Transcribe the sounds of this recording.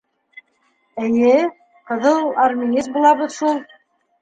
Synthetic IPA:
ɘ̆jɘ | qɤ̆ðɤlˠarmʲinʲizbulˠɑβɤðʃulˠ

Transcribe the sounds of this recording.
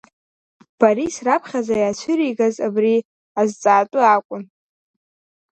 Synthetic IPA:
b̥aɾisrapʰχʲazajat͡ʃʷʰɪɾiɡazabri | azt͡sʼaːtʼʊakʷʼʊn

